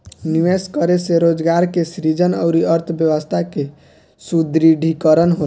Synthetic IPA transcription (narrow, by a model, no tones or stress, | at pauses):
niʋeskəɾeseɾod͡ʒɡaɾkesɾid͡ʒənə̰ʊɾiəɾt̪ʰbjəʋəst̪ʰake | sud̪ɾiɖʱikəɾənɦol